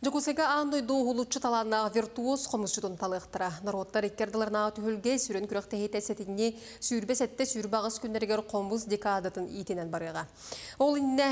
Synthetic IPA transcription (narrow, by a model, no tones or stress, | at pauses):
d͡ʒokuseɡeɑnːojd̪oːɦulˠut͡ʃːut̪ʰɑlˠɑnɑvʲɪrt̪uosqʰomust͡ʃut̪unt̪ʰɑlˠɯqt̪ɯɾɑnoɾot̪ːɑɾekːeɾd̪ɯlˠɑɾnɑːt̪ʰyɦølɡesyɾønkyɾøq̚t̪eɦet̪eset̪inːi | syːɾbeset̪ːesyɾbɑʁɯskynd̪eɾɡeɾqʰombusd̪ʲekad̪ɯt̪ɯnḭt̪inenbɑɾɯʁɑ | olˠinine